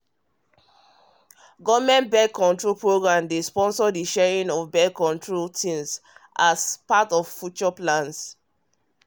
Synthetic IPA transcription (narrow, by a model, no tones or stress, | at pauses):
ɡɔvmɛ̃nbɛkːɔ̃ntɹolpɹoɡɹãmdespɔ̃nsɔdiʃɛɹĩnɔvbɛkːɔ̃ntʰɹoltĩnsʔaspatɔv̥fjut͡ʃɔplãns